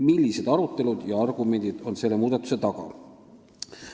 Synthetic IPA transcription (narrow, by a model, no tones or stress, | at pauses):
milʲːise̞d̪ɑɾut̪ːˑe̞lud̪̥jɑɑrɡ̥ume̞nʲd̪id̪̥o̞nse̞lːe̞muːd̪ɑt̪ːˑu̥se̞t̪ɑɡ̥ɑ̰